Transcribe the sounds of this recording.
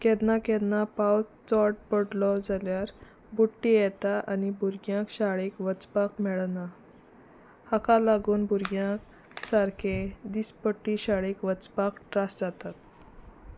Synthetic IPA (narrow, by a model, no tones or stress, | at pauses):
kɛd̪nakɛd̪napawt͡sɔʈ̚pəɽlɔd͡zaljaɾ | buʈːijɛt̪aʔanibuɾɡjãkɕaɭekʋət͡spakmɛɭna | hakalaɡuːnbuɾɡjãk | t͡saɾked̪ispəʈːiɕaɭekʋət͡spakʈɾasd͡zat̪at̪